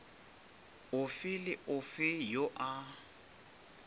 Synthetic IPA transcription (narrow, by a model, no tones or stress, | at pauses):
ʊfɪlɪʔʊfɪjoʔa